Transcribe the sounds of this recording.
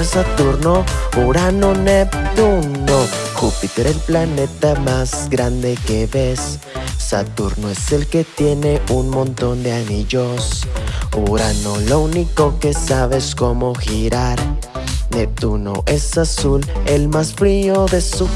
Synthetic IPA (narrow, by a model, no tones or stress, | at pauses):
sat̪uɾno̞uɾanonept̪unoxupit̪eɾelplane̞t̪amazɡɾand̪e̞keβe̞sː | a̰t̪uɾno̞e̞se̞lke̞t̪je̞ne̞unmõ̞nt̪o̞nd̪eaniʝosuɾano̞louniko̞ke̞saβe̞sko̞mo̞xiɾaɾ | nep̚t̪uno̰ʔe̞sasulelmasfɾioðe̞su